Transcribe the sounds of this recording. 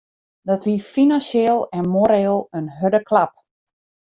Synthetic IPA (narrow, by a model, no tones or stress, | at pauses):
dɔtʋifinanseːlˠɛnmoɾeːlˠənɦødəkʰlap̚